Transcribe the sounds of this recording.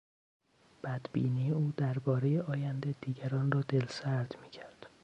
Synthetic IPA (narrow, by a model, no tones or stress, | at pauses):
b̥æd̪bḭːnijeuːd̪æɾbɒːɾejeɒːjænd̪ed̪iːɟæɾɒːnrɒːd̪e̞lsæɾd̪miːcʰæɾd̪̥